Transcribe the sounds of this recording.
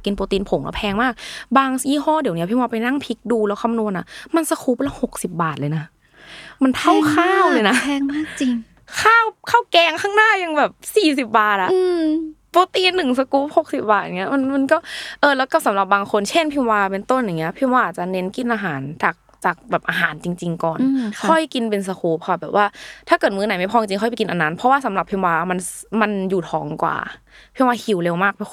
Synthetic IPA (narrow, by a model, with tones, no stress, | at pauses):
ki˧npoː˧t̪iː˧npʰo˩˦kɔ̰˧˩pʰɛː˧ŋmaː˥˩k̚baː˧ŋiː˧˥˩ɦɔː˥˩di˨˩˦wni˦˥ɐpʰi˥˩waː˧pa˧jna˥˩ŋpʰi˦˥k̚duː˧lɛː˦˥wkʰa˧˨mnu˧ənʔa˧˩ma˧˨nsa˧kʰuː˦˥p̚lɛː˦˥ho˨˩k̚si˨˩p̚baː˨˩t̪̚lɤː˧jna˦˥ | ma˧nt̪ʰa˥˩wkʰaː˥˩wlɤ˧jna˦˥ɛː˧ŋmaː˥˩k̚t͡ɕi˧ŋ | kʰaː˥˩wkʰaː˥˩wkɛː˧ŋkʰaː˥˩ŋnaː˥˩ja˧ŋbɛː˨˩p̚siː˨˩si˨˩p̚baː˨˩t̪̚ʔa˨˩˧poː˧t̪iː˧nːɯ˨˩ŋsa˧kuː˦˥p̚ho˨˩k̚si˨˩p̚baː˨˩t̪̚ʔŋi˦˥ɐ˧ma˧nma˧nkɔː˥˩ʔɤː˧lɛː˦˥wka˧˩sa˨˦mɾa˨˩p̚baː˧ŋkʰo˧nt͡ɕʰe˥˩npʰi˧mwaː˧pe˧nt̪o˥˩nja˨˩ŋːi˦˥ɐpʰi˧˩mwaː˧ʔaː˨˩t͡ɕa˧˩ne˦˥nki˧˥˩nʔaː˧ɦaː˩˦nt͡ɕaː˨˩k̚t͡ɕaː˨˩k̚bɛː˨˩p̚ʔaː˧ɦaː˩˦nt͡ɕi˧ŋt͡ɕi˧ŋkɔ̰ː˨˩nnkʰɔ˥˩jki˧npe˧ns̬a˧kʰuː˨˦p̚kʰa˧˩bɛː˨˩p̚waː˥˩t̪ʰaː˥˩kɤː˨˩mɯː˧na˨˦ma˥˩pʰɔ˧˩t͡ɕi˧ŋkʰɔ˥˩pa˨˩ki˧nʔa˧nːa˦˥npʰɔ˦˥waː˥˩sa˨˦mla˨˩pʰi˧mwaː˧ma˧nma˧njuː˨˩t̪ʰɔː˩˦ŋkwa̰ː˨˩ | pʰi˧˥˩waː˧˩hʰi˨˧˦wle˧wmaː˥˩k̚pʰɔ˧˥